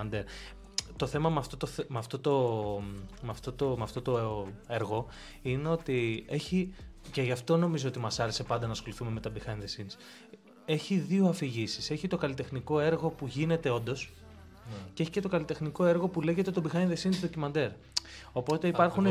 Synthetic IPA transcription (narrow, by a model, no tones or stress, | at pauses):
nd̪eɾ | t̪o̞θe̞mɐmɐft̪ot̪oθmɐft̪o̞t̪o | mɐft̪o̞t̪omɐft̪o̞t̪o̞e̞ɾɣo̞ | ine̞o̞t̪ie̞çice̞ʝɐft̪o̞no̞mizoot̪imɐsɐɾese̞pɐnd̪ɐnɐːsxo̞liθume̞me̞t̪ɐbixɐinðesins | e̞çiðioɐfiʝisise̞çit̪o̞kɐlit̪e̞xniko̞e̞ɾɣo̞puʝine̞t̪e̞o̞nd̪o̞s | ceeçi̥ce̞t̪o̞kɐlit̪e̞xniko̞e̞ɾɣo̞pule̞ʝe̞t̪e̞t̪o̞bixɐjnðesinzðo̞cimɐnd̪e̞ɾ | o̞po̞t̪e̞ipɐɾxun